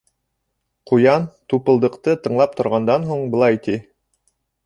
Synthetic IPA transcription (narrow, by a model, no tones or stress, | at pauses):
qujɑnt̪upɤ̆lˠd̪ɤ̆qt̪ɤt̪ɤ̆ɴlˠɑp̚t̪ŏɾʁɑnd̪ɑnɦuɴbɤ̆lˠɑjt̪i